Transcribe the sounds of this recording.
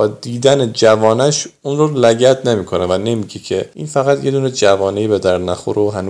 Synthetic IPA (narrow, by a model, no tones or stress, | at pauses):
bɒːd̪iːd̪æned͡ʒævɒːnæʃunɾolæɟæt̪nemiːkʰo̞nevæne̞miɡecʰeʔinfæɣæt̪jed̪uːned͡ʒævɒːnejibed̪æɾd̪næxoɾoɦænu